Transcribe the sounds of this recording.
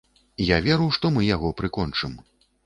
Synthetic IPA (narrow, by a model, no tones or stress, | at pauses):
javʲɛɾuwʂt̪ɔmɨjaɣɔpɾɨkɔnt͡ʂɨm